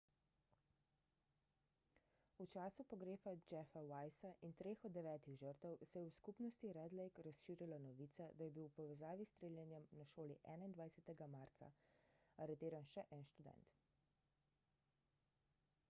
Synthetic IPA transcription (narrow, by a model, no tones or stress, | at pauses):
ut͡ʃaːsupɔɡɾeːfad͡ʒɛfawajsaʔint̪ɾeːxɔd̪ːɛʋɛːt̪iɣʒəɾt̪əwsɛjɛwskupnɔst̪iɾɛd̪lɛjkɾasʃiːɾjalanɔʋiːt̪sad̪ajɛbiwpɔʋɛzaːʋist̪ɾeːlʲjɛnjɛmnaʃoːliʔɛːnaind̪ʋajsɛt̪ɛɡamaɾt̪sa̰aɾɛt̪eːɾanʃɛʔɛnʃt̪ud̪ɛ̰nt̪